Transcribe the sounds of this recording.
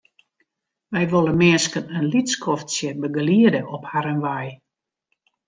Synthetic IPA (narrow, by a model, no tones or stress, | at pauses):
ʋɛjʋolˠəmɪəskənənlitskʰɔftsjəbəɡəliədəʔɔphaɾənʋaj